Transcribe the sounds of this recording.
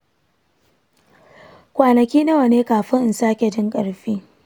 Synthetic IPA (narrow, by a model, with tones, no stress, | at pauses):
kʷaː˨nɐ˨kʲiː˦nɐ˦wɐ˨neː˦kaː˨ɸɪ˦ŋʔɪ˨nsaː˦kʲe˨d͡ʒɪ˦ŋkʼɐ˨ɽɸiː˦